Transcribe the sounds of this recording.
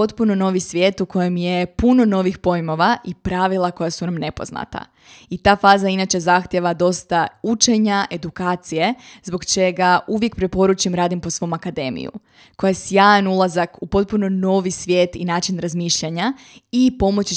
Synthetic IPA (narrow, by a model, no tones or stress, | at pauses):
o̞t̪puno̞no̞ʋisʋje̞ːt̪uko̞jemje̞puno̞no̞ːʋixpo̞jmo̞ʋaʔipɾaʋilˠako̞jasunamne̞po̞̰zna̰t̪a̰ | it̪aːfaːzainat͡ʃe̞zaxt̪je̞ʋad̪o̞st̪aut͡ʃe̞ɲaʔe̞d̪ukaːt̪sije̞zbo̞ɡt͡ʃe̞ɡaʔuʋje̞kpɾepo̞ɾut͡ʃimɾaːd̪impo̞sʋo̞ːmakad̪e̞ːmḭjṵ | ko̞jasjaːjanulˠazakupo̞t̪̚punono̞ːʋisʋʲje̞ːt̪ḭnaːt͡ʃinɾazmiːʃʎaɲa | ipo̞mo̞t͡ɕi